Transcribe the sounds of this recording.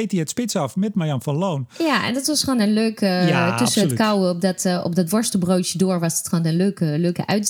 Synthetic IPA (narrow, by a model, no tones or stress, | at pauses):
ejtiɛtspɪtsɑfmɛtmajɑnfɔnloːnjaɛ̰ndɔtʋɔsχoːnənløːktøsəənətkawp̚dɔtɔ̰p̚dɔtʋɔɹstəbrowtjədoːəɹʋɔsətxoːnənløːkəløːkə̰ʔœ̰ɥ